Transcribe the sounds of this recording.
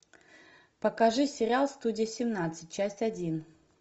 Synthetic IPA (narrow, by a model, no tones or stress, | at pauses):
pəkɐʐɨsʲɪɾʲɪalˠst̪udʲɪjəsʲɪmnat̪sɨt̚ʲt͡ɕæsʲtʲɐdʲin